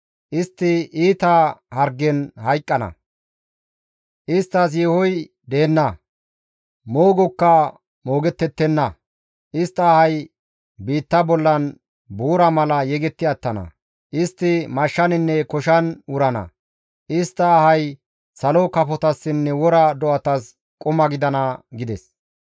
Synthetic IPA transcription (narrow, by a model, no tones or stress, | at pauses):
ʔɪst̪ːɪiːt̪ɐhɐɾɡɛnhɐjkʼːɐnɐ̰ | ʔɪst̪ːɐs̬jeːhɔj | d̪e̞ːnːɐ | moːɡɔkːɐ | mo̞ːɡɛt̪ːɛt̪ːɛnːɐ | ʔɪst̪ːɐːhɐj | biːt̪ːɐbɔlːɐn | buːɾɐmɐlɐjɛɡɛt̪ːɪɐt̪ːɐnɐ̰ | ʔɪst̪ːɪmɐʃːɐnɪnːɛkɔʃɐnʊɾɐnɐ̰ | ʔɪst̪ːɐːhɐj | sɐlɔkɐpɔt̪ɐsːɪnːɛwɔɾɐd̪ɔʔɐt̪ɐs | kʼʊmɐɡɪd̪ɐnɐɡɪd̪ɛs